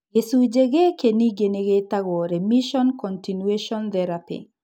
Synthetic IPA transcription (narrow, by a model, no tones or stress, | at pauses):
ɡesud͡ʒeɡekeniɡeneɡetaɡɔɾemiʃɔnkɔntinweʃɔnt̪ɛɾapḭ